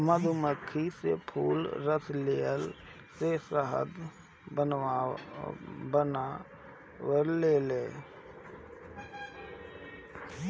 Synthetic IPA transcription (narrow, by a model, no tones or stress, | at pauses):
məd̪ʱuməkʰːisḛpʰṵːlɾət̪ʰleːəl | sesəɦə̰d̪ | ə | bəna | wəɾleːleː